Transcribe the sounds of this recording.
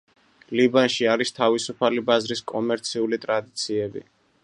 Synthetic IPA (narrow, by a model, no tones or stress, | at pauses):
libanʃiaɾist̪ʰavisupʰalibazɾiskʼɔmɛɾt̪sʰiulit̪ʼɾad̪it̪sʰiɛbḭ